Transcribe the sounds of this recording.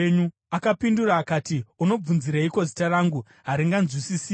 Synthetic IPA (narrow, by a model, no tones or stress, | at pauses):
ɲu | akapinduraːkaːtiuno̞b͡vunziɾaiko̞zitaraːŋɡu | ɦaɾiŋɡanzwisisiː